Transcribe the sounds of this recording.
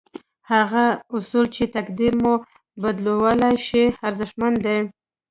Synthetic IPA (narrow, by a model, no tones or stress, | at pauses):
haɣaʊsult͡ʃet̪akd̪iɾmo | bad̪lowalaʃeaɾzɪʃmand̪e